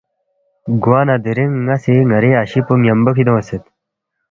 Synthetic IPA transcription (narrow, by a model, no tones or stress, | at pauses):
ɡuaːnad̪eɾiŋːasiŋɐɾeaɕipuŋjɐmbɐkʰid̪õɐset̪